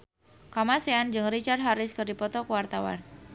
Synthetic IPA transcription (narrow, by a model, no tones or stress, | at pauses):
kamaseand͡ʒɨŋrit͡ʃarɦaɾɪskɨrdipɔt̪ɔkəwart̪awa̰n